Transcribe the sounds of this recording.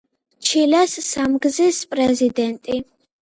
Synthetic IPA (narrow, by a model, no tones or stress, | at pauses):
t͡ʃʰilɛsːamɡzispʼɾɛzid̪ɛnt̪ʼi